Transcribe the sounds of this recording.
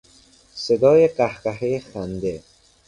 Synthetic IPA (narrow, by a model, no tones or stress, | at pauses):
sed̪ɔːjeqahqaɦexand̪e